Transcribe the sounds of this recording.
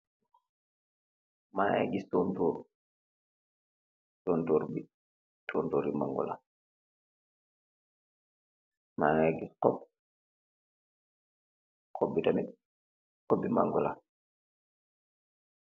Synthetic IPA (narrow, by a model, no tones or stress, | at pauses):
maŋa̰ɡistɔntoːɾ | tɔntoːɾbi | tʰontɔːɾima̰ŋɡɔ̰la̰ | maŋaɡisqɔp̚ | kɔbːitami | qɔbːima̰ŋɡɔla̰